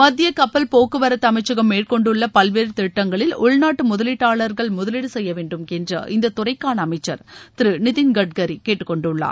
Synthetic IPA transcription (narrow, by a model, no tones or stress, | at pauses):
mɐd̪ːɪjɐkɐpːɐlpoːkːɯʋɐɾɐt̪ːɐɐmɐɪt͡ʃːɐɣɐmːeːrkɔɳɖɯɭːɐpɐlʋeːɾɯt̪ɪʈːɐŋɡɐɭɪlʊɭnaːʈːɯmʊðɐlɪʈːaːɭɐɾɣɐɭmʊðɐlɪɽɯsɛjːɐʋeːɳɖɯmkɛndrɐ̰ʔɪnd̪ɐt̪ːʊrɐɪkːaːɳɐːmɐɪt͡ʃːɐɾt̪ɪɾɯnɪðɪnɡɐɖ̚ɡɐɾikeːʈːɯ̥kːɔɳɖɯɭːa̰ːɾ